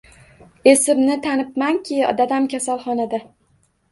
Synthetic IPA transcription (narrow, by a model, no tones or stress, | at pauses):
esɪmnɪt̪ʰanɪp̚maŋkʲʰɪɒ̰d̪ad̪amkʲʰasalˠχɒnad̪a